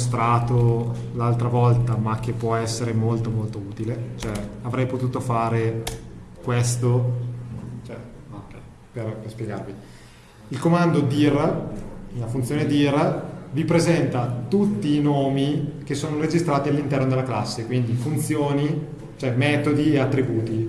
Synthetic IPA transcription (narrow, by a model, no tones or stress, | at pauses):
s̬t̪ɾaːt̪o | lalt̪ɾavɔlt̪amak̟ːepːwɔɛsːeɾemolt̪omolt̪ouːt̪ilet͡ʃoɛavɾɛjpot̪uːt̪ofaːɾe | kwest̪o | t͡ʃɛokɛ | perpespjeɡa̰rvi | ilkomand̪od̪ir | inafunjoːned̪irvipɾezɛnt̪at̪ut̪ːiːnoːmik̟esːoːnoɾed͡ʒist̪ɾaːt̪ialːint̪ɛrnod̪elːaklasːekwind̪ifunt̪sjoːni | t͡ʃoɛmɛːt̪od̪ieat̪ːɾibuːt̪i